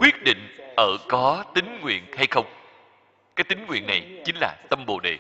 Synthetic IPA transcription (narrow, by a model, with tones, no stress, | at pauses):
kwi˦˥ət̚ɗḭ̈˧˨ŋ̟ʔəː˧˩kɔ˨˦t̪ï˨˦ŋ̟ŋwḭ˧˨ənha˧jxə˧wŋ͡m | kaː˨˦jt̪ï˨˦ŋ̟ŋwḭ˧˨ənːa˨˩jt͡ɕi˨˦ŋ̟laː˨˩t̪ə˧mɓo̰˧˨ɗḛ˧˨